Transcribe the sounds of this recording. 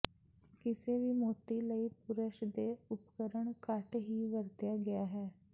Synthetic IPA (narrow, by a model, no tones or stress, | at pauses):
kɪseːʋiːmoːt̪iːləiːpʊɾəʃd̪eːʊpkəɾəɳkəʈɦiːʋəɾt̪jaːɡɪjaːɦɛː